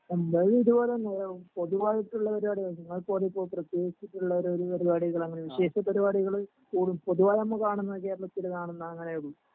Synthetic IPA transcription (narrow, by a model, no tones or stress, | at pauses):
ɐmbɐɻiðuboːleneːɾepo̞ðuʋaːjiʈːuɭːɐpɐɾibaːɽiɣɐɭnɐŋːɐɭpoːɾipːo̞ːɭprɐt̪je̞ːɡit͡ɕːiʈːuɭːɐoɾoɾupɐɾibaːɽiɣɐɭɐŋːɐneʋiɕe̞ːʂɐpɐɾibaːɽiɣɐɭ | kuːɽumpoðuʋaːjɐmːɐkaːɳunːɐɐkeːɾɭɐt̪ːilkaːɳunːɐɐŋːɐneuɽu